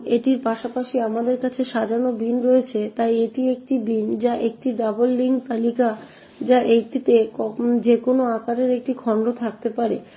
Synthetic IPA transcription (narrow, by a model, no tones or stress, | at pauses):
eʈiɾpaʃapaʃiamad̪eɾkat͡ɕʰeʃad͡ʑanobinɾoet͡ɕʰet̪ajeʈiek̚ʈibind͡ʑaʔek̚ʈiɖabolːiŋkt̪alika | d͡ʑaʔek̚ʈit̪ekɔd͡ʑekonoakaɾeɾek̚ʈikʰɔɳɖot̪ʰak̚t̪epaɾe